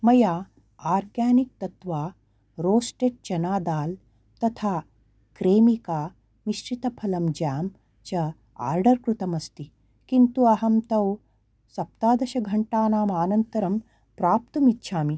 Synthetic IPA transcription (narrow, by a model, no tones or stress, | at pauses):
mɐjaː | aːɾɡjaːnik̚t̪ɐt̪ʋaː | ɾoːsʈeʈ̚t͡ʃɐnaːd̪aːl | t̪ɐt̪ʰaː | kɾeːmikaː | niʃʈɾit̪ɐpʰɐlɐmd͡ʒaːm | t͡ʃɐ | a̰ːɾɖɐɾkɾut̪ɐmɐst̪i | kint̪uɐɦɐmt̪ɐw | sɐp̚t̪aːd̪ɐʃɐɡʱɐɳʈaːnaːmaːnɐnt̪ɐɾɐm | pɾaːp̚t̪ɐmitːʃʰaːmi